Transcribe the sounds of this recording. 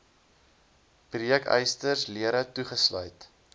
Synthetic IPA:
pryjɛkə̰jstərsliəɾətuχəslœ̰ɥt

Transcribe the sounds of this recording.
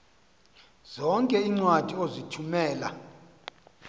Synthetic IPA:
z̥ɔŋkʼɛiŋ͡ǀwatʼiozitʰumɛːla̰

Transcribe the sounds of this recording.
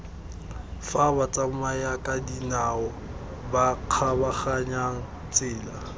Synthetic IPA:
fabat͡sʼamajakʼadinaɔ | baq͡χʰabaχaɲaŋ̩ | t͡sʼɪːla

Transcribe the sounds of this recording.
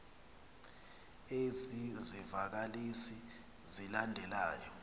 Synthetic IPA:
ezizivak̬alisi | zilandʱɛlaːjɔ

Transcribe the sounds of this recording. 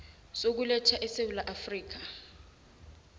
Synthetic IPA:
sok̬ulɛtʰaʔɛsewulaʔafriːk̬a

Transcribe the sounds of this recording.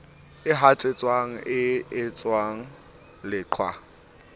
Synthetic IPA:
ɪɦat͡sʼet͡sʼwaŋ̩ʔɪɪt͡sʼwaŋ̩ | lɪǃʰwa̰

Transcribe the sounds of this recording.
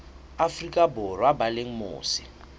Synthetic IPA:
afrikʼaborwabaleŋ̩mo̰ːsɪ̥

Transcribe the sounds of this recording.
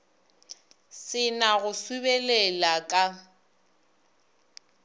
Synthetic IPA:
sɪnaɣʊsubɛlɛlakʼa

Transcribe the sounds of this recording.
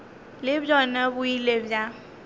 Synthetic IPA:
lebjɔnəbuilebja

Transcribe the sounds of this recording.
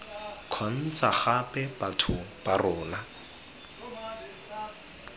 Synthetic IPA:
kʰɔn̩t͡saχapɛbatʰʊb̥arʊːla

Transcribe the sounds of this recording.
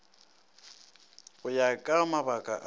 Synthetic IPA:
ɣʊjakʼamaβakʼa̰ʔ

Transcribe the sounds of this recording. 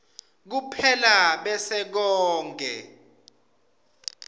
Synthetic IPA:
k̬upʰɛlaɓɛsɛk̬ɔːŋɡʱɛ̰

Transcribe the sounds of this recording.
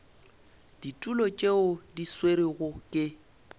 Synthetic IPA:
d̥itʼulɔt͡ʃʼeʊdisweɾiɣʊkʼɪ

